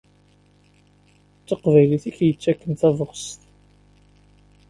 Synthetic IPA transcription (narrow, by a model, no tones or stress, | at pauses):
t͡sːəqvæjliθiçjət͡sːækːənθævəʁst̪